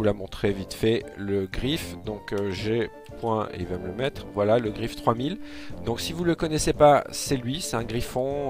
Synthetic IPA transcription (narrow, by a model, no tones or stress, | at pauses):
ulamɔ̃t̪χevit̪fɛləɡʁifd̪ɔ̃kʒe | pwɛ̃ḛilvamələmɛt̪χvwalaləɡʁift̪χwamil | d̪ɔ̃ksivuləkɔnɛsepasɛlɥisɛt̪ɛ̃ɡʁifɔ̃